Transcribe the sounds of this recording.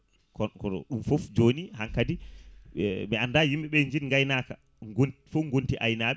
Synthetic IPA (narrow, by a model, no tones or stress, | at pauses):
kɔkɔɗumfofd͡ʒoːnihaŋkadi | miandajimɓɛɓɛɲd͡ʒinŋɡajnaːka̰ | ɡonfoŋɡontiʔajnaːɓɛ